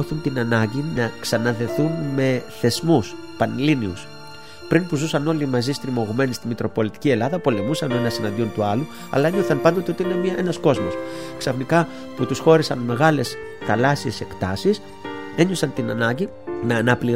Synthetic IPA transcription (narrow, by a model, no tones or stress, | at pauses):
oθunt̪inɐnɐɲɟinɐksɐnɐðe̞θunme̞θe̞zmus | pɐnliniṵs | pɾinpuzusɐno̞limɐzist̪ɾimo̞ɣume̞nist̪imit̪ɾo̞po̞lit̪i̥cie̞lɐðɐpo̞le̞musɐnoe̞nɐsinɐnd̪io̞nt̪uɐlu | ɐ̰lɐeɲoθɐnpɐnd̪ot̪eo̞t̪iinemɐʔe̞nɐsko̞zmo̞sksɐfnikɐ | put̪usxo̞ɾisɐnme̞ɣɐle̞s | θɐlɐsie̞se̞kt̪ɐsis | e̞ɲo̞sɐnt̪inɐnɐɲɟi | nɐːnɐpli